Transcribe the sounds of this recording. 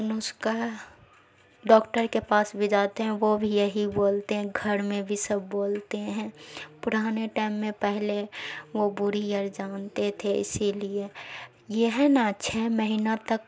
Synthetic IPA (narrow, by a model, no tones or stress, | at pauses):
nʊska | ɖɔːkʈəɾkepaːsbʱid͡ʒaːt̪eɦɛ̃ʋobʱijəɦiboːlt̪eɦɛ̃ɡʱəɾmẽbʱisɐbːoːlt̪eɦɛ̃pʊɾaːneʈaːɪmːẽpɛɦleʋobʊɾijəɾd͡ʒaːnt̪et̪ʰeɪ̰silie | jeɦɛnaʃʰɛməɦinat̪ək